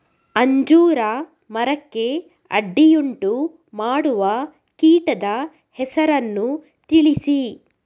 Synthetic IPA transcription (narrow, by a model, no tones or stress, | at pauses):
ɐɲd͡ʒuːɾɐ | mɐɾɐkːe̞ | ɐ̰ɖːijuɳʈu | maːɽuʋɐ | kiːʈɐd̪ɐ | hɛsɐɾɐnːu | t̪iɭisi